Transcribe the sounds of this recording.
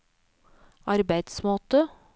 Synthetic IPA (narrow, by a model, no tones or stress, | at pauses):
ʔɑɾbæɪd̪smoːt̪ə